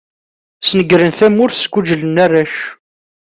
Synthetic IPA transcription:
snəɡɾənθæmʊɾθsɡʷud͡ʒələnːærːæʃ

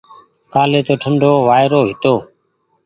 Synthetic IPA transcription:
kaːleːt̪oːʈʰəɳɖʱoːʋaːjɾoːɦɪt̪oː

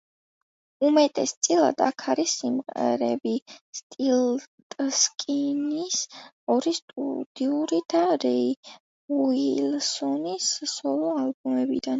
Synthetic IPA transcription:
umɛt̪ʼɛst̪sʼilˠa̰d̪a̰kʰaɾisimqʼɛ̰ɾɛbist̪ʼilt̪ʼskʼinis | ɔɾist̪ʼṵd̪̥iuɾid̪̥aɾɛi | uilsɔnissɔlˠɔalbumɛbḭd̪an

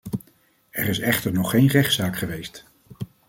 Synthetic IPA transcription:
ɛɹɪsɛχtəɹnɔχejnrɛχtsaːkχəʋejst

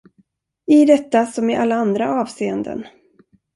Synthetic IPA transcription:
ɪd̪ɛt̪ːasɔmɪʔalːaand̪ɾaʔɑːvseːənd̪ə̰n

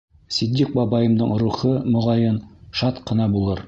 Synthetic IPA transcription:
sid̪ʲːiq̚bɑbɑjɤ̆md̪ɤɴɾuχɤmŏʁɑjɤnʃɑt̪qɤ̆nɑbulˠɤɾ

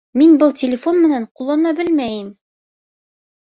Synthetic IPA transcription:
minbɤlˠt̪ʲɪlʲɪfo̞nmɘ̆næɴqulˠːɑnɑbɘlmæjɘm

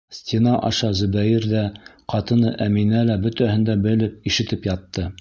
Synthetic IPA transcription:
sʲtʲinɑʔɑ̰ʃɑzɵ̆bæjiɾðæqɑt̪ɤ̆nɤʔæminælæbɵ̆t̪æhɘ̆nd̪æbɘ̆lɘp̚iʃɘ̆t̪ɘpjɑt̪ːɤ

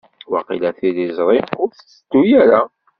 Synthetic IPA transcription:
wɑqilæθilizˤɾˤimʊɾθt͡sːəd̪ujæɾa

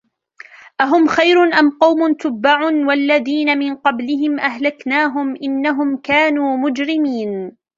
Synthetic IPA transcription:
ʔaɦʊmxajɾʊnʔamqɑwmʊnt̪ʊbːaʕʊnwalːaðiːnamɪnqɑblɪɦɪmʔaɦlaknaːɦʊmʔɪnːaɦʊmkaːnuːmʊd͡ʒɾɪmiːn

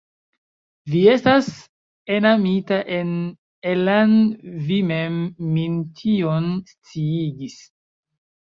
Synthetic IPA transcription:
vie̞stas | enamitaʔe̞n | elanvime̞mːintʰionst͡siiɡis

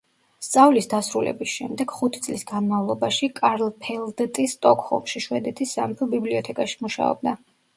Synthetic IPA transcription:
st̪sʼavlisd̪asɾulɛ̰bisʃɛmd̪ɛɡ̥χut̪ʰit̪sʼlisɡanmavlˠɔbaʃikʼaɾlˠpʰɛlˠd̪t̪ʼist̪ʼɔkʰhɔ̰lˠmʃiʃwɛd̪ɛt̪ʰisːampʰɔbibliɔt̪ʰɛkʼaʃi̥muʃa̰ɔ̰b̚d̪a

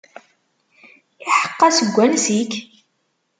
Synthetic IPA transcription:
ɪħə̥qːɑsəɡʷːænsik

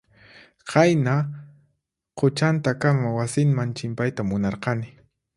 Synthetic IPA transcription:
qɑjna | qʰʊt͡ʃant̪akamawasɪnmant͡ʃɪmpajt̪amʊnɑɾqɑnɪ

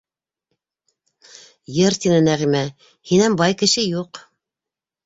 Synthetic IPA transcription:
jɤɾt̪ʲinɘnæʁimæ | hinæmbɑjkɘ̆ʃɘjuq

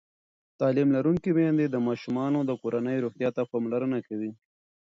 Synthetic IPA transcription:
t̪ɑlimlaɾuŋkimend̪ed̪əmɑʃumɑnod̪əkoɾanəjɾuxt̪jɑt̪apamlaɾənakawi

